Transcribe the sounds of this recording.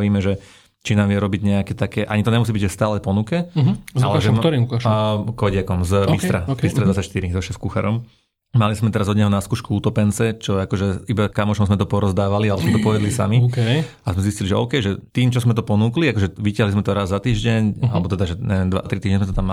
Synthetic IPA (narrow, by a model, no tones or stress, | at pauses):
ʋiːmɛʒɛ | t͡ʃinaːmʋɛɾɔbiɟɲɛakɛt̪akɛʔaɲit̪ɔɲɛmus̬ibiɟʒst̪aːlɛpɔnukɛɦalɛʒɛɾiukaʃkɔɟɪakɔmzbist̪ɾabisɾɛd̪ʋat͡sacʃt̪iɾizɔʃɛskuxa̰ɾɔm | malizmɛt̪ɛɾazɔd̪ɲɛɦɔnaskuːʃkuuːt̪ɔpɛnt͡sɛt͡ʃɔakɔʒɛibakamɔʃɔmzmɛt̪ɔpɔɾɔzd̪aːʋalialɛbzmɛt̪ɔpɔʋɛd̪lisa̰mik | azmɛzisciliʒɛɔ̰ʊkɛjʒɛt̪iːmt͡ʃɔzmɛt̪ɔpɔnukliakɔʒɛʋicɪaɦlizmɛt̪ɔɾazzat̪iːʒɟɛɲalɛbɔt̪ɛd̪aʒɛɲɛɛnd̪ʋa̰t̪ɾit̪iːʒɲɛzmɛt̪ɔt̪amːa